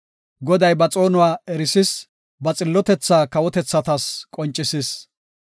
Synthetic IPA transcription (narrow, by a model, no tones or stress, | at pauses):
ɡɔd̪ɐjbɐt͡sʼo̞ːnʊwaːɛɾɪsɪs | bɐt͡sʼɪlːɔt̪ɛt͡sːaːkɐwɔt̪ɛt͡sːɐt̪ɐskʼɔnt͡ʃʼːɪsɪs